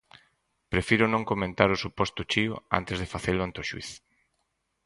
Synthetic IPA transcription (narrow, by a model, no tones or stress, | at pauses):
pɾefiɾʊnõŋkomẽnt̪aɾʊsupɔst̪ʊt͡ʃiʊa̰nt̪ezð̞efaθelʊant̪oʃwḭθ